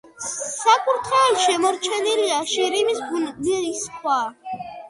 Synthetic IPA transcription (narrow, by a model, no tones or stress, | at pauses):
sakʼuɾt̪ʰχɛːlʃɛmɔɾt͡ʃʰɛniliaʃiɾimisɡundɛisχʰwa